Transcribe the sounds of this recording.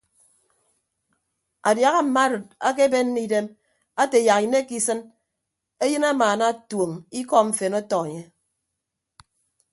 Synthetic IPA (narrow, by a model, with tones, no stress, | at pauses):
a˨dja˨ɣa˦m̩˨ma˦ɾɨ˨t̚a˦k̬e˦be˦n̩˦ni˦de˦m | a˦te˨ja˨kne˦ki˦sɨ˦n | e˦jɨ˦na˦maː˨na˦˨two˨ŋi˦kɔ˦ɱ̩˨fe˨nɔ˦tɔ˨e˨ɲe˦